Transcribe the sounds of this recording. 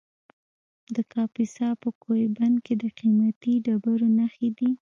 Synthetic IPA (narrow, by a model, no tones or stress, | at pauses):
d̪əkʰɑpisɑpəkʰojbanked̪əqimat̪iɖabaɾonaxed̪i